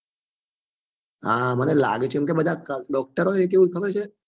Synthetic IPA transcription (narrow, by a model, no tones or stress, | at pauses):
amənela̰ɡet͡ʃʰeɛmk̬ebəd̪ʱakəɖɔk̚ʈəɾoek̬eʋũkʰəbəɾt͡ʃʰe